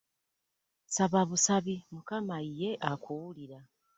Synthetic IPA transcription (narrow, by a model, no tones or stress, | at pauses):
saβaβusaβimukamaije̞ʔakʰuwuliɾa